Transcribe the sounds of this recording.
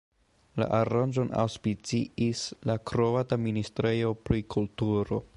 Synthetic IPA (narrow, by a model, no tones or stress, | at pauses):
la̰ʔaɾand͡ʒo̞na̰wspit͡siislakɾovataministɾejo̞pɾikʰultuɾo̞̰